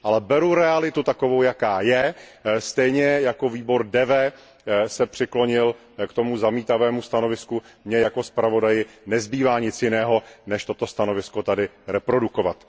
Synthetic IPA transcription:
ʔalɛbɛɾuɾɛalɪt̪ut̪ako̞vowjakaːjɛst̪ɛjɲɛjako̞viːbo̞ɾdɛvɛː | sɛpr̥ɪklo̞ɲɪl | kt̪o̞muzamiːt̪avɛːmust̪ano̞vɪsku | mɲɛjako̞spɾavo̞dajɪnɛzbiːvaːɲɪt͡sjɪnɛːɦo̞nɛʃt̪o̞t̪o̞st̪ano̞vɪsko̞t̪adɪɾɛpɾo̞duko̞vat̪

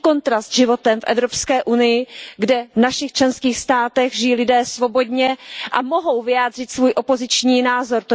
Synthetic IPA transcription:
ko̞nt̪ɾast̪ʒɪvo̞t̪ɛmfʔɛ̰vɾopskɛːʔunɪjɪɡdɛvnaʃɪxt͡ʃlɛnskiːxst̪aːt̪ɛɣʒɪjiːlɪdɛːsvo̞bo̞dɲɛʔamo̞ɦo̞wvɪjaːdr̝ɪt̪svuːjʔo̞po̞zɪt͡ʃɲiːnaːzo̞ɾt̪o

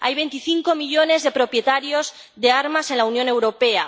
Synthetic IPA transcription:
a̰jβ̞e̞nt̪iθiŋko̞miʎo̞ne̞zðe̞pɾo̞pje̞t̪aɾjo̞z | ðe̞aɾmase̞nlaunjone̞wɾo̞pe̞a

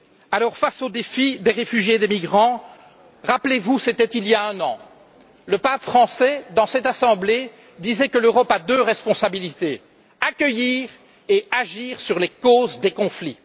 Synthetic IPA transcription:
alɔʁfasod̪efid̪eʁefyʒjed̪emiɡʁɑ̃ | ʁaplevuset̪ɛt̪iljaɛ̃nɑ̰̃ | ləpapfχɑ̃sɛd̪ɑ̃sɛt̪asɑ̃ble | d̪izɛkəløʁɔpad̪øʁɛspɔ̃sabilit̪ḛ | akʲəjiːʁ | eaʒiːʁsyʁlekoːzd̪ekɔ̃fli

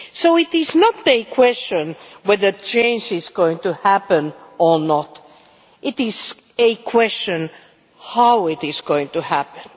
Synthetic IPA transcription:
soʊɪt̪ɪznət̪ɨkʰw̥ɛst͡ʃə̃nwɛðət͡ʃʰẽɪ̃nd͡ʒɪzɡoʊɪ̃ŋtuhæpə̃nə˞nɔt | ʔɪtɪz̥ | ɨkʰw̥ɛst͡ʃɨ̃n | haʊɪtɪzɡoʊɪ̃ŋtuhæpə̃n

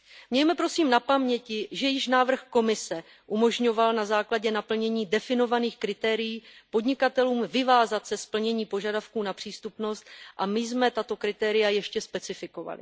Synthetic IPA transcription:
mɲɛjmɛpɾo̞siːmnapamɲɛcɪʒɛjɪʃnaːvr̩xko̞mɪsɛ | ʔumo̞ʒɲo̞valnazaːklaɟɛnapl̩ɲɛɲiːdɛfɪno̞vaniːxkɾɪt̪ɛːɾɪjiːpo̞dɲɪkat̪ɛluːmvɪvaːzat̪sɛspl̩ɲɛɲiːpo̞ʒadafkuːnapr̝̥iːst̪upno̞st̪ʔamɪzmɛt̪at̪o̞kɾɪt̪ɛːɾɪjajɛʃcɛspɛt͡sɪfɪko̞va̰lɪ̰

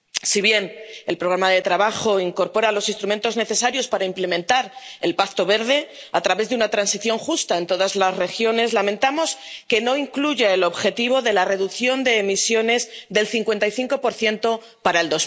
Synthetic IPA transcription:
siβje̞ne̞lpɾo̞ɣ̞ɾamaðe̞t̪ɾaβaxo̞iŋko̞ɾpo̞ɾalo̞sinst̪ɾume̞nt̪o̞zne̞θe̞saɾjo̞spaɾaimple̞mẽ̞nt̪aɾe̞lpakt̪o̞βe̞ɾðe̞ | at̪ɾaβe̞zðeunat̪ɾansiθjo̞ŋxust̪ae̞nt̪o̞ðazlasre̞xjo̞ne̞zlamẽnt̪amo̞ske̞no̞iŋkluʝaelo̞βxe̞t̪iβo̞ðe̞lare̞ðuθjo̞nd̪e̞ːmisjo̞ne̞zðe̞lθiŋkwe̞nt̪ajθiŋko̞po̞ɾθje̞nt̪o̞ | paɾae̞ld̪o̞z

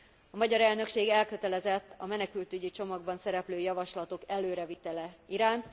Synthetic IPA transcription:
ɒmɒɟɒɾɛlnø̞kʃeːɡɛlkø̞t̪ɛlɛzɛt̪ːɒmɛnɛkylt̪yɟit͡ʃo̞mɒɡ̚bɒnsɛɾɛpløːjɒvɒʃlɒt̪o̞kɛløːɾɛvit̪ɛlɛiɾaːnt̪

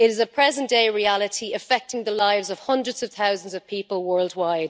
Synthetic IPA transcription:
ɪɾɪzəpʰɹ̥ɛzə̃nd̥eɪɹialɪtʰiəfɛk̚tɪ̃ŋðəlaɪvzəv̥hʌ̃ndɹədz̥əv̥θaʊzə̃n̩zəv̥pʰiˑpəlˠwɜːlˠdwaɪd̥

